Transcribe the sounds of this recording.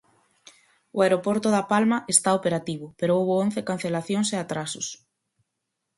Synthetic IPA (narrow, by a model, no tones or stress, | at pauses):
oaeɾopoɾt̪oðapalmɐʔest̪aopeɾat̪iβ̞ʊpeɾoowβoon̟θekan̟θelaθjoŋseat̪ɾasʊs